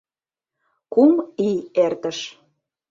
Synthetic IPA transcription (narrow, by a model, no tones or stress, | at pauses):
kumiert̪əʃ